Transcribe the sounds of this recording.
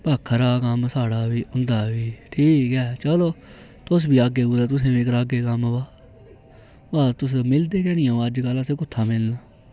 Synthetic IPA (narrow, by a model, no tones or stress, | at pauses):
baːkʰɾaːkəmsaːɽaːʋiːʊnd̪aːʋiːʈʰiːkɦɛːt͡ʃəloː | t̪ʊs̬biːaːɡeːɡuːd̪aːt̪̬ʊsẽːĩːk̬ɾaːɡeːkəmʋaː | baːt̪ʊs̬mɪld̪eːkɛːnɪjãːəd͡ʒkəlãseːkʊt̪ʰːaːmɪlnaː